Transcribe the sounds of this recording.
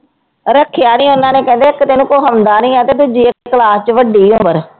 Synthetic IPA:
ɾəkʰːjaːnĩːʊnãːneːkɛ̃ːnd̪eːɪkt̪eːnũːkoːɦəmd̪aːnĩːɛ̃ːt̪eːd̪ʊd͡ʒiːəkːeːkəlaːst͡ʃʋəɖiːʊ̃mbəɾ

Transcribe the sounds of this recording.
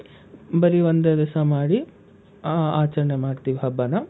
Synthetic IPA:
bɐɾiond̪ed̪isɐmaːɽi | aːt͡ʃɐɾɐɳemaːɖt̪iʋiɦɐbːɐnɐ

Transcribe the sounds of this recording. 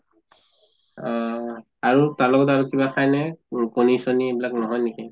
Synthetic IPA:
aɹutalɔkɔtaɹukibakʰajnɛkonisoniebilaknɔɦɔjniki

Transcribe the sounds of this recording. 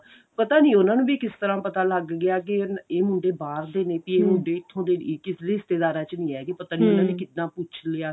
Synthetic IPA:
pət̪aːnĩːʊnãːnũːbiːkɪst̪əɾãːpət̪aːləɡːɪaːk̬eeːmʊɳɖeːbaːɾd̪eːneːpiːeːmʊɳɖeːɪt̪ʰːõːd̪eːkɪsd̪eːɪst̪eːd̪aːɾãːt͡ʃnĩːɛːɡeːpət̪aːniːonãːnĩːkɪt̪nãːpʊt͡ʃʰlɪaː

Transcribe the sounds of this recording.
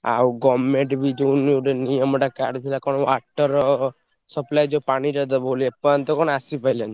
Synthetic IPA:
a̰wɡɔmːeɳʈbʱid͡ʒounuʈenijɔmɔʈakaɖt̪ʰilakɔñɔaʈːɔɾɔ | sɔplajd͡ʒopaɽ̃iʈad̪̬abolepant̪ɔkɔnasipajlan

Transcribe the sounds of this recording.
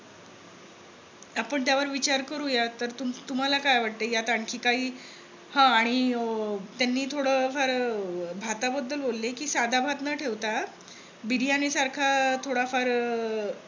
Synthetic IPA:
apəɳt̪̬jaʋəɾʋit͡ɕaɾkəɾujat̪əɾt̪umt̪um̤alakajʋaɽ̚t̪ejat̪aɳkʰiːkaɦiː | hãaɽ̃i | t̪janːiːt̪ʰoɽəfaɾbʱat̪abəd̪ːəlbolːekiːsad̪ʱabʱat̪nəʈʰeʋt̪a | biɽijanisaɾkʰat̪ʰoɽafaɾ

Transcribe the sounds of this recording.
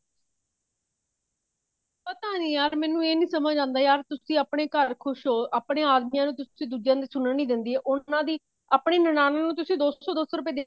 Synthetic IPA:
pət̪aːnĩːjaːɾmɛ̃ːnũːeːnĩːsəməd͡ʒd͡ʒãːnd̪aːjaːɾt̪ʊsĩːaːpɳeːkəɾkʰʊʃɦoːʔaːpɳeːaːd̪miːjãːnũːt̪ʊsĩːd̪uːd͡ʒjãːd̪iːsʊnəɳĩːd̪ɪnd̪iːɦɛːʔʊãːd̪iː | aːpɳeːnənaːnãːnũːt̪̬ʊsĩːd̪oːsɔːd̪oːsɔːɾʊpeːd̪eː

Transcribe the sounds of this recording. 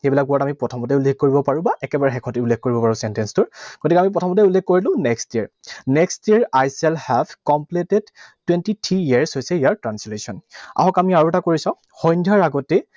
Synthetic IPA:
xejbilak̚buɔtamipɹɔtʰɔmɔtɛulːek̚kːoɹibɔpaɹũbaʔɛkɛbaɹɛxɛkʰɔ̃tiulːeɡ̚koɹibɔpaɹũsɛntɛnstʊɹɡ̥otikɛamip̬ɹɔtʰɔmɔtɛulːeɡkoɹilʊ̃nɛkstiaɹnɛkstiaɹajsɛlhɛvkɔmplitedtwɛntitʰiiaɹshojsɛijaɹtɹanslusɔna̰ɦɔkamiaɹuɛtakoɹisãʊ̃ | xɔjndʱjaɹaɡɔtɛ

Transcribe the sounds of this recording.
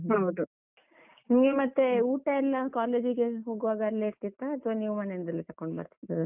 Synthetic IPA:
ɦɐwd̪u | imɡemɐt̪ːe̞uːʈɐɛlːɐkaːleːd͡ʒiɡe̞ɦoːɡuʋaːɡɐːlːeiɾt̪it̪ːaːt̪ʋɐniːʋmɐːnend̪ɐlːet̪ɐkːoɳɖbɐ̰ɾt̪i̥t̪ːɐ

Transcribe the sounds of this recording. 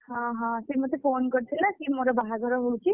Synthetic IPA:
hɔ̃ɦɔ̃semɔt̪epʰonkɔɾt̪ʰilasimoɾɔbaɦaɡɔɾɔɦowt͡ʃʰi

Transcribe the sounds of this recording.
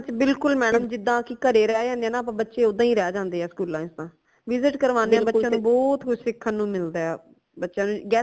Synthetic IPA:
t͡ʃbɪlkʊlmɛːnəmd͡ʒɪd̪ːãːkikəɾeːɾɛaːd͡ʒãːnd̪eɛːnaːp̬ãːbətːʃeːoːd̪ãːĩːɾɛːd͡ʒãːnd̪eːɦɛːskuːlãːɪsd̪ãː | ʋɪzɪʈkəɾʋaːneɛːbətːʃãːnũːbɔːt̪kʰʊʃsɪkʰːənːũːmɪld̪aːɛː | bətːʃãːnũːɡɛː

